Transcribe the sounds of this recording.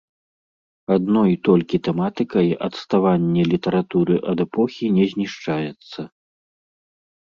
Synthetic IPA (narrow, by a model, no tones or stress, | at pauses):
ad̪nɔjt̪ɔlʲkʲit̪ɛmat̪ɨkɐjʔɐt̪st̪avanʲːɛlʲit̪ɐɾat̪uɾɨʔɐd̪ɛpɔxʲinʲɛzʲnʲiʂt͡ʂajɛt̪sːɐ